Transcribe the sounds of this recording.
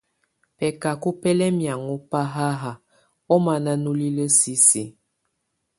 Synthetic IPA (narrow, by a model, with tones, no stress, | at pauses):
pɛ˨ka˨ku˦pɛ˦lɛ˦mja˨ŋu˦pa˦ɦa˦ɦa˨ | ɔ˦ma˨na˦nu˦li˦lə˦si˦si˨